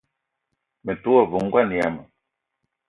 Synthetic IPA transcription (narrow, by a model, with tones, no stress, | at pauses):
me˨tu˦ɔ˦˨vu˨ŋ̩˦ɡwa˦˨ni˨ja̰˨mə˨